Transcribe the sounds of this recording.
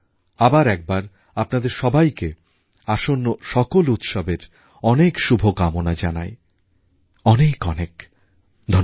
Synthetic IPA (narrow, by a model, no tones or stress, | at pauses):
abaɾɛk̚baɾ | apnad̪eɾʃɔbajke | aʃonːoʃɔkolut̪ʃɔbeɾ | ɔnekʃubʱokamonad͡ʑana̰j | ɔnekɔnek | d̪ʱɔ